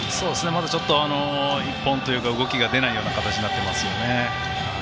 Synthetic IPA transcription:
so̞ːd̪e̞sɨne̞mad̪at͡ɕo̞t̪ːo̞anoipːõ̞nt̪o̞jɯ̟ːkaɯ̟ɡo̞kʲiɡad̪e̞naijo̞ːnakat̪at͡ɕiɲ̟inat̪ːemasɨjo̞ne̞

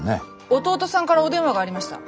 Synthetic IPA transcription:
nḛ | ot̪o̞ːt̪o̞sãŋkaɾaod̪ẽ̞ɰ̃βaɡaːɾimaɕi̥t̪a̰

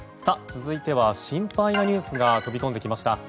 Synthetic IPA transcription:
sat͡sɨzɨit̪e̞β̞aɕĩmpainaɲ̟ɨːsɨɡat̪o̞bʲiko̞nd̪ekʲimaɕi̥t̪a

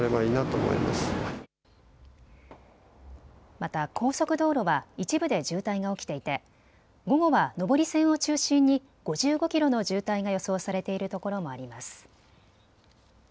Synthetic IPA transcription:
ɾe̞βaiːnat̪oːmo̞̰ḭma̰sɨ̥ | mat̪akʰo̞ːso̞kɯ̟d̪o̞ːɾo̞βait͡ɕibɯ̟d̪e̞ʑɨːt̪aiɡao̞kʲi̥t̪e̞it̪e̞ | ɡo̞ɡo̞βano̞bo̞ɾʲisẽ̞ɰ̃o̞t͡ɕɨːɕĩɲ̟ːi | ɡ̥o̞ʑɨːɡo̞kʲiɾo̞no̞ʑɨːt̪aiɡajo̞so̞ːsaɾe̞t̪e̞iɾɯ̟t̪o̞ko̞ɾo̞mo̞aɾʲimasɨ̥

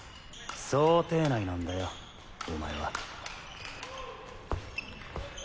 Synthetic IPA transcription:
soːt̪e̞ːnainãnd̪ajo | ɯma̰eβa̰

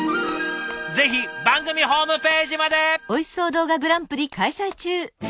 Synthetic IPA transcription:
d͡ze̞çibãŋɡɯmʲiɦo̞ːmɯ̟pe̞ːʑimad̪e̞o̞iso̞ːd̪o̞ːɡaɡɯ̟ɾãmpɯ̟ɾʲikaisait͡ɕɨː

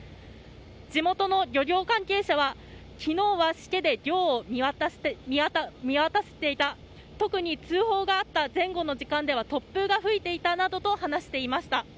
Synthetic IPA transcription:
d͡ʑimo̞t̪o̞no̞ɾʲo̞ɾʲo̞ːkãŋke̞ːɕaβa | kʲino̞ːβaɕi̥ke̞d̪e̞ɾʲo̞ː | mʲimʲiβat̪ase̞̥t̪e̞it̪a | t̪o̞kɯ̟ɲ̟it͡sɨːɦo̞ːɡaːt̪ːazẽ̞ŋɡo̞no̞ʑikãnd̪e̞β̞at̪o̞pːɯ̟ɡaɸɯ̟it̪e̞it̪anad̪o̞t̪o̞hanaɕi̥t̪e̞imaɕi̥t̪a

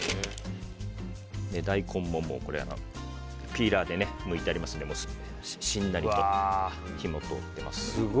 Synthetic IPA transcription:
ne̞d̪aikʰõ̞mːõ̞mːo̞̰ko̞ɾḛa̰no̰ | pʲiːɾaːd̪e̞ne̞mɯ̟it̪e̞aɾʲimasɨ̃nd̪e̞mo | ɕĩnːaɾʲit̪o | çʲimo̞t̪oːt̪ːe̞ma̰sɨ̥ɡ

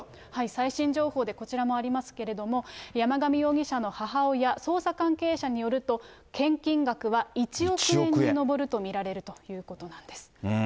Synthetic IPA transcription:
haisaiɕĩɲ̟d͡ʑo̞ːho̞ːd̪e̞ko̞t͡ɕiɾamo̞aɾʲimasɨ̥ke̞ɾe̞d̪o̞mo̞jamaɡamʲijo̞ːɡʲiɕano̞haɦaojaso̞ːsakãŋke̞ːɕaɲ̟ijo̞ɾɯ̟t̪o̞ | kẽ̞ŋkʲĩŋɡakɯ̟βait͡ɕio̞kɯẽ̞ɲːino̞bo̞ɾɯ̟t̪o̞mʲiɾaɾe̞ɾɯ̟t̪o̞jɯ̟ːko̞t̪o̞nãnd̪e̞sɨ̥

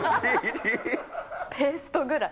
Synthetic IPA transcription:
pʰesɨ̥t̪oɡɯ̟ɾa

